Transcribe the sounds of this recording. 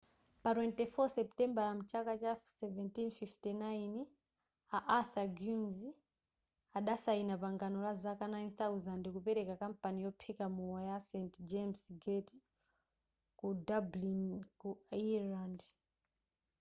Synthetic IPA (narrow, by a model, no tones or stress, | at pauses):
patwɛntɛfɔsɛptɛmbalam̩t͡ʃakat͡ʃasɛvɛntinfiftinajn | aʔaθaɡjunzi | aɗasainapaŋɡanɔlazakanajnθauzandikupɛɾɛkakampanijɔpʰɛkamuwajasɛntd͡ʒemsɡɛti | kudablinkuiland